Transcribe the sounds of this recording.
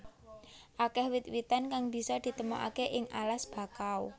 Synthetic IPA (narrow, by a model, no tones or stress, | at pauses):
ʔakɛhwɪt̪̚wit̪ankaŋb̥i̤sɔd̪̥i̤t̪əmuʔa̰keʔɪŋa̰lasb̥a̤kao